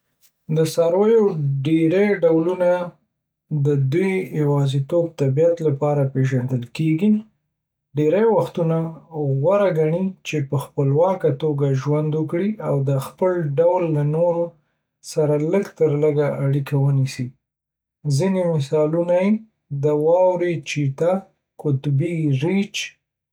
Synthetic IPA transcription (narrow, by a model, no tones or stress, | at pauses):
d̪əsaɾwejoɖeɾejɖawluna | d̪əd̪ujjawɑzit̪ob̚t̪abijat̪lapɑɾapeʒand̪əlkeɡi | ɖeɾajwaxt̪unaɣwaɾaɡaɳit͡ʃepəxpəlwɑkat̪oɡaʒwand̪wəkɽiawd̪əxpəlɖawlːanoɾo | saɾaləɡt̪əɾləɡaʔaɽikawənisi | zinemɪsɑlunaje | d̪əwɑwɾet͡ʃit̪a | kʊt̪biɾet͡ʃ